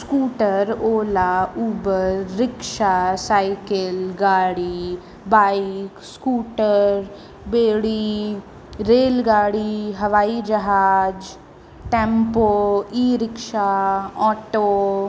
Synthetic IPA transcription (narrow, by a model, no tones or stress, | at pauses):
skuːʈəɾoːlauːbəɾːɪkʃasaːɪkɪlɡaːɽi | baːɪkskuːʈəɾ | beːɽi | ɾeːlɡaːɽiɦɐʋaːid͡ʒɐɦaːd͡ʒ | ʈẽːmpoːiːɾɪkʃaɔːʈoː